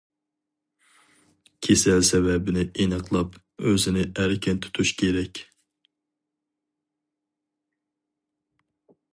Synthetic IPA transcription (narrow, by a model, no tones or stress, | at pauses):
kʲʰesɛlsɛvɛbɪnɪʔenəqʰlˠɑp | øzɪnɪæɾkʲɛnt̪ʰu̥t̪ʰuʃkʲʰeɾɛkʲ